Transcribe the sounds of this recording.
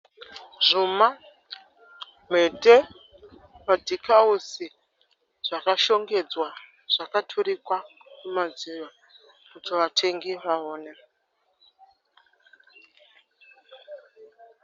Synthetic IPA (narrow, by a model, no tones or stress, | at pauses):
ʐuma | metʼe | madʱikausi | ʐ̥akaʃo̞ŋɡe̞d͡zwa | ʐ̥akatʰuɾikwakumad͡ziʋa | kutʰiʋatʰeŋɡiʋaoːne